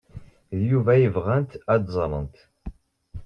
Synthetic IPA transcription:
ðjuvæjəvʁænt̪æd̪zˤɾˤə̰nt̪

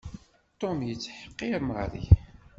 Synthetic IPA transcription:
t̪ːomjət͡sːħə̥qːiɾmʁɾḭ

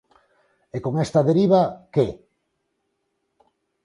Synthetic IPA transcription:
ekoŋest̪ɐðeɾiβ̞ake

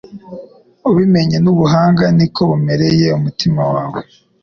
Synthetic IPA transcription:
uβime̞ɲenuβuɦaːŋɡanikʰo̞βume̞ɾeje̞umutimawaːβwe

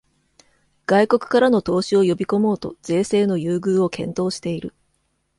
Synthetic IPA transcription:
ɡ̥aiko̞kɯ̟̥kaɾano̞t̪o̞ːɕio̞jo̞bʲiko̞mo̞ːt̪o̞z̥e̞ːse̞ːno̞jɯːɡɯːo̞kʰẽ̞̰nt̪o̞ːɕi̥t̪e̞iɾɯ̟

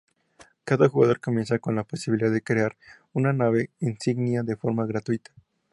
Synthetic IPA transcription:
kaðaxuɣaðo̞ɾko̞mje̞nsako̞nlapo̞siβiliðaðekɾe̞aɾ | unanaβe̞insiɣnjaðe̞fo̞ɾmaɣɾat̪wit̪ḁ

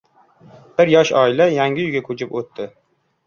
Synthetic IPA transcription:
b̥ɪɾjɒʃɒɪlajaŋɡʲɪjʊɡʲakʰɵt͡ʃʰɪpot̪ːɪ

